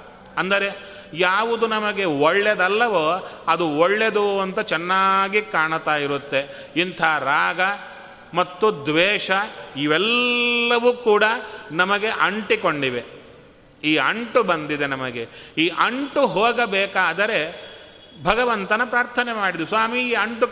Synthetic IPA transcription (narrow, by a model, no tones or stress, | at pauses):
ɐnd̪ɐɾe̞ | jaːʋud̪unɐmɐɡe̞ɔɭːed̪ɐlːɐʋoːɐd̪uɔɭːe̞d̪uɐnt̪ɐt͡ʃɛnːaːɡikaːɳɐt̪aːjiɾut̪ːe̞ | int̪ʰɐɦːɾaːɡɐ | mɐt̪ːud̪ʋɛːʂɐiʋɛlːɐʋuːkuːɽɐnɐmɐɡe̞ʔɐɳʈiko̞ɳɖiʋe | iːɐɳʈubɐnd̪id̪enɐmɐɡe̞iːʔɐɳʈuɦoːɡɐbɛːkaːd̪ɐɾe̞ | bʱɐɡɐʋɐnt̪ɐnɐpɾaːɾt̪ʰɐnemaːɽid̪usʋaːmiiːɐɳʈu